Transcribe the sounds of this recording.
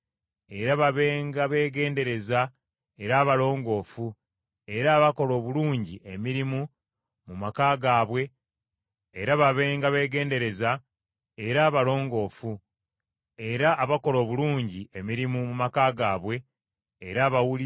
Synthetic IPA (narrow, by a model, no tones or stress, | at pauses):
e̞ɾaβaβe̞ːŋɡaβe̞ːɡe̞ːnde̞ɾe̞za | eɾaːβalo̞ːŋɡo̞ːfu | e̞ɾaːβako̞lo̞ːβuluːɲɟiʔe̞miɾimu | mumakaːɡaːβwe̞ː | ɾaβaβe̞ːŋɡaβe̞ːɡe̞ːnde̞ɾe̞za | e̞ɾaːβalo̞ːŋɡo̞ːfu | e̞ɾaʔːβako̞lo̞ːβuluːɲɟie̞miɾimumumakaːɡaːβwe̞ː | ɾaːβawuli